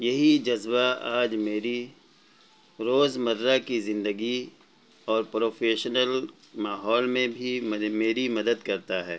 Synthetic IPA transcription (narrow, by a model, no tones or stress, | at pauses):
jɐɦid͡ʒɐzbaaːd͡ʒmeːɾi | ɾoːzmɐɾːakizɪ̃nd̪əɡi | ɔːɾpɾoːfʰeːʃnəl | maːɦɔːlmẽbʱimeːɾimɐd̪əd̪kɐɾt̪aɦɛː